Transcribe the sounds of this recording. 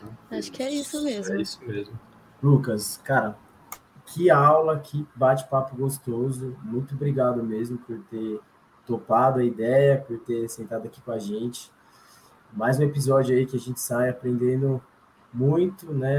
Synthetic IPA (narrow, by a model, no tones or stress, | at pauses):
aʃʊ̥kɪɛisʊmezɛisʊmezmʊ | lukɐskaɾɐ | kʰɪawlɐkʰɪbat͡ʃɪ̥papʊɡost̪ozʊmũj̃t̪ʊobɾiɡad̪ʊmezmʊpoɾt̪eɾ | t̪opad̪ʊɐid̪ɛjɐpoɾt̪eɾsẽnt̪ad̪ʊaki̥kõɐʒẽt͡ʃɪ̥ | majzũepizɔd͡ʒʊaikɪaʒẽnt͡ʃɪ̥sajapɾẽnd̪ẽnd̪ʊ | mũj̃t̪ʊnɛ